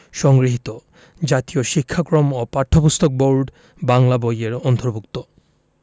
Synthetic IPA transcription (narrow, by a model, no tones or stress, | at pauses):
ʃɔŋɡɾiɦit̪o | d͡ʑat̪ijoʃikʰːakɾomopaɾt̪ʰopust̪ʰok̚boɾɖ | baŋlabojeɾɔnt̪oɾbukt̪o